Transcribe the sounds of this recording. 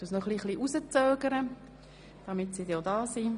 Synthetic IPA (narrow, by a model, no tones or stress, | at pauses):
usnɔχliχliːʔusət͡sœːɡəɾə | d̥ɑmɪtsidodɑːsi